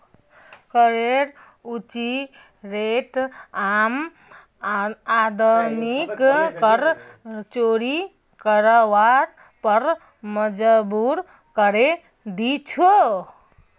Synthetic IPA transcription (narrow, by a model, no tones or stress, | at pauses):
kəɾeɾ | ut͡ʃi | ɾeʈam | ad̪əmikkəɾt͡ʃoɾi | kəɾəwaɾ | pəɾ | məd͡ʒəbuɾ | kəɾe | d̪it͡ʃʰo